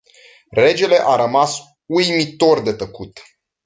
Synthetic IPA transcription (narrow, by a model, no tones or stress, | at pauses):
re̞d͡ʒe̞le̞ʔaɾəmas | ujmit̪o̞rd̪e̞t̪əkut̪